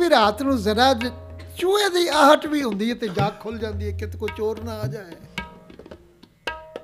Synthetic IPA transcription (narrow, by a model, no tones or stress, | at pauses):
iːɾaːt̪nũːzəɾaːd͡ʒt͡ʃuːeːd̪iːaːɦəʈʋiːɦʊ̃nd̪iːɦɛːt̪eːd͡ʒaːkʰːʊld͡ʒãːnd̪iːɛːkɪt̪koːt͡ʃoːɾnaːaːd͡ʒaːeː